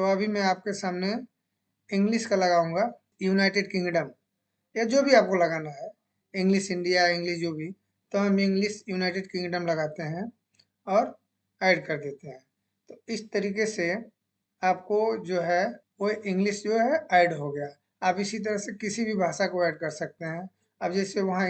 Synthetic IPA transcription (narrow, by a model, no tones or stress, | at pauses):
t̪oɐbʱimɛ̃aːp̚kesaːmne | ɪ̃ŋɡlɪʃkalɐɡaːũːŋɡa | juːnaːɪʈeːɖkɪ̃ŋɡɖəm | jad͡ʒoːbʱiaːp̚kolɐɡaːnaɦɛ | ɪ̃ŋɡlɪʃɪ̃ɳɖijaɪ̃ŋɡlɪʃd͡ʒoːbʱi | t̪oɦɐ̃mɪ̃ŋɡlɪʃjuːnaːɪʈeːɖkɪ̃ŋɡɖəmlɐɡaːt̪eɦɛ̃ | ɔːɾ | ɛːɖkɐɾd̪eːt̪eɦɛ̃ː | t̪oɪst̪ɐɾiːkese | aːp̚kod͡ʒoːɦɛ | oʔɪ̃ŋɡlɪʃd͡ʒoːɦɛɛːɪɖɦoɡɐja | aːpɪsit̪̬ɐɾəɦsekɪsibʱibʱaːʃakoɛːɪɖ̚kɐɾsɐk̚t̪eɦɛ̃ | aːb̚d͡ʒɛːseʋɐɦã